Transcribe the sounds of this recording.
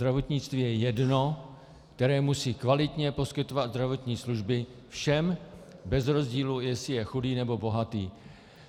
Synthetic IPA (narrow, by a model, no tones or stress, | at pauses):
ɾavo̞t̪ɲɪt͡st̪viːjɛjɛdno̞ | kt̪ɛɾɛːmusiːkvalɪt̪ɲɛpo̞skɪt̪o̞vad̪zd̪ɾavo̞t̪ɲiːsluʒbɪ | fʃɛmbɛzɾo̞zɟiːlujɛsɪjɛxudiːnɛbo̞bo̞ɦat̪ḭː